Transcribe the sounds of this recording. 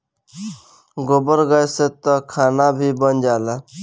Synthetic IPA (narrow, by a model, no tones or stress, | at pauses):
ɡobəɾɡəjset̪ɔkʰanabʱibənd͡ʒala